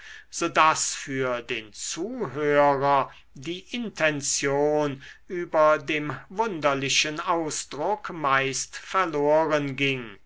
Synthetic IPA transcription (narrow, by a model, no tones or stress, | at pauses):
z̥oːdasfyːɐdeːnt͡suːɦøːʁɐ | diːʔɪntʰɛnt͡sjoːnyːbɐdeːmvʊndɐlɪʃənaʊsd̥ʁʊkmaɪstfɛɐloːʁənɡɪŋ